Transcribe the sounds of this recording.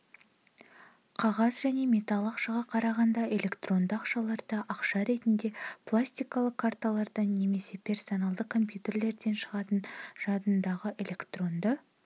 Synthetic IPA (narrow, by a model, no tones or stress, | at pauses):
qʰɑʁɑzʒæne̞mʲe̞t̪alˠɑqʃɑʁɑqʰɑɾɑʁɑnd̪ɑʔe̞lʲe̞kt̪ro̞nd̪əɑqʃɑlˠɑɾd̪ɑʔɑqʃɑɾe̞t̪ɪnd̪e̞plˠasʲt̪ʲijkɑlˠəqkʰːart̪alˠɑɾd̪ɑnːe̞me̞se̞pʲʰe̞rso̞nalˠd̪əkʰːo̞mpjut̪ʲe̞rle̞ɾd̪e̞nʃəʁɑt̪ənʒ̥ɑd̪ənd̪ɑʁəʔe̞lʲe̞kt̪ro̞nd̪ə